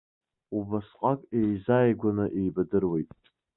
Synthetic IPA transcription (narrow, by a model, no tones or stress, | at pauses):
ubasqʼakʼejzajɡʷanɨʔejbadɨrwe̞jtʼ